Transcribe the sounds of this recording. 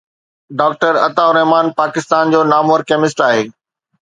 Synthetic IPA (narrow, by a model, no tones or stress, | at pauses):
ɖaːk̚ʈəɾɐ̰t̪aʊɾɛɦmaːnpaːkɪst̪aːnd͡ʑoːnaːməɾkɛːmɪs̬ʈaːɦeː